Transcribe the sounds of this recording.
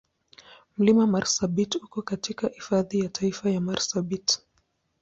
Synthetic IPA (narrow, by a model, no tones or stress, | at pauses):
m̩limamaɾsabitukɔkatikahifaðijatʰaifajamaɾsabit